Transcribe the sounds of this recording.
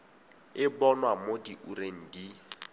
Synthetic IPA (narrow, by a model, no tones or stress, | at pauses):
ɪbɔnwamodiʔureŋ̩di